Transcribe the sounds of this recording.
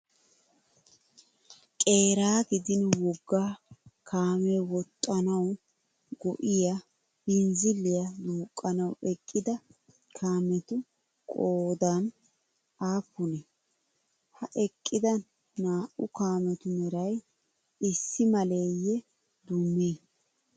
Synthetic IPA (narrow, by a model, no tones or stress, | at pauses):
kʼe̞ːɾaːɡɪd̪ɪnwɔɡːaːkʰaːmɛwɔt̪ʼːɐnɐw | ɡɔʔɪja | bɪnzɪlːɪjɐd̪uːkʼːɐnɐwɛkʼːɪd̪ɐ | kʰaːmɛt̪ʊ | kʼoːd̪an | aːpːʊnɛ | hɐʔɛkʼːɪd̪ɐ | naːʔʊkaːmɛt̪ʊmɛɾɐj | ɪsːɪmɐleːjːɛ | d̪ʊmːiː